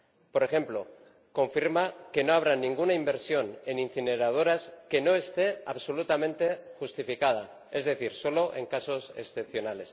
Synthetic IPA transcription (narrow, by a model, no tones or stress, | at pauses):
po̞ɾe̞xe̞mplo̞ | ko̞ɱfiɾmake̞no̞aβ̞ɾanĩŋɡunaimbe̞ɾsjo̞ne̞nin̟θine̞ɾað̞o̞ɾaske̞no̞e̞st̪e̞aβso̞lut̪amẽ̞nt̪e̞xust̪ifikað̞a | e̞zðe̞θiɾso̞lo̞ʔe̞̰ŋkaso̞se̞̰sθe̞p̚θjo̞nale̞s